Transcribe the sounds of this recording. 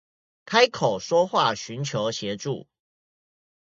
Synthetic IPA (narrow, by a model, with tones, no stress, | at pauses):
kʰa˦˥ɪkʰo˨˩ʊʂwɔ˦xwa˥˨ɕy˨˦nt͡ɕʰjo˧˦ʊɕjɛ˨˦ʈ͡ʂṵ˥˨